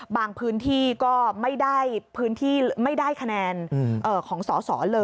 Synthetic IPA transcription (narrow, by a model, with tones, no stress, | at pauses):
baː˧ŋpʰɯː˦˥nt̪ʰiː˥˩kɔː˥˩ma˥˩jdaː˥˩jpʰɯː˦˥nt̪ʰiː˥˩˧ma˥˩jdaː˥˩jkʰa˧nɛː˧nʔɤː˧˩kʰɔː˩˦ŋsɔː˩˦sɔː˩˦lɤː˧